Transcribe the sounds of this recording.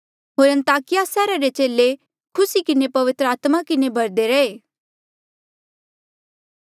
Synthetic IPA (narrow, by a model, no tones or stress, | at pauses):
ɦoːɾɐ̃nt̪aːkɪjasɛːɾaɾet͡ʃeːle | kʰʊsikɪnepɐʋɪt̪ɾəaːt̪makɪnebʱɐɾd̪eɾɐeː